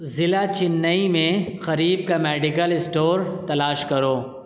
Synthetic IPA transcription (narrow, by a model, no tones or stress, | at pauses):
zɪlat͡ʃɪnːəimẽxɐɾiːb̚kamɛːɖɪkəlɪsʈoːɾt̪ɐlaːʃkɐɾoː